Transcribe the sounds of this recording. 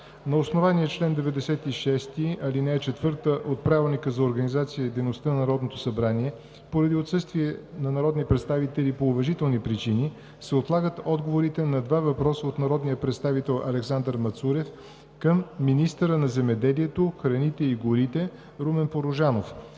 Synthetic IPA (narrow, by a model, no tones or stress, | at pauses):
nɐosnovaniɛt͡ʃlɛnd̪ɛvɛd̪ɛsɛt̪iʃɛst̪iɐlinɛɛt͡ʃɛt̪vɤɾt̪əʔot̪̚pɾavɛlˠnikəzɐoɾɡɐnizat̪sijəid̪ɛjnost̪ənɐnɐɾɔd̪not̪osɐbɾaniɛ | poɾɐd̪iot̪sɤst̪viɛnɐnɐɾɔd̪nipɾɛt̪st̪avit̪ɛlipoːvɐʒit̪ɛlˠnipɾit͡ʃini | sɛot̪lˠaɡət̪ɔd̪ɡovoɾit̪ɛnɐd̪vavɐpɾɔsəot̪nɐɾɔd̪nijəpɾɛt̪st̪avit̪ɛlˠɐ̰lɛksand̪əɾmɐt̪suɾɛf | kəmːinist̪əɾənɐzɛmɛd̪ɛliɛt̪oxɾɐnit̪ɛiɡʊɾit̪ɛ | ɾumɛnpoɾoʒanof